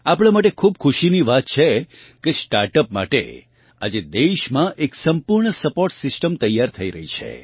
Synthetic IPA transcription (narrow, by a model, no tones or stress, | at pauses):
apɽ̃ãmaʈekʰubkʰuʃiniʋat̪̚t͡ʃʰe | kesʈaɾʈəpma̰ʈḛ | a̰d͡ʒed̪eʃmãʔeksəmpuɾɳəsəpoɾʈsɪsʈəmt̪əjaɾt̪ʰəiɾəɦit͡ʃʰḛ